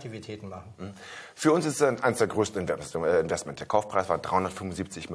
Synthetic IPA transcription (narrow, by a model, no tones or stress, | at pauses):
tʰivitʰɛːtn̩maχn̩m̩h̩fyːɐʊnsɪstɛʔaɪnəsd̥eːɐɡʁøːstn̩ɪnvɛɛɪnvɛstmɛnt̚əd̥eːɐkʰaʊfpʁ̥aɪsv̥aːd̥ʁaɪhʊndɐtfʏmvʊnziːp̚t͡sɪçm